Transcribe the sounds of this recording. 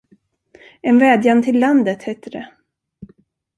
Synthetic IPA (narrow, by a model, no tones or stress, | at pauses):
ɛnvɛːd̪jant̪ʰɪlːand̪ət̪heːt̪əɾɛ